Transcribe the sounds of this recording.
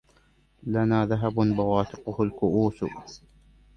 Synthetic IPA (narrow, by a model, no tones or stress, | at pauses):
lanaːðaɦabʊnbawaːt̪ɪqʊhʊlkʊʔuːs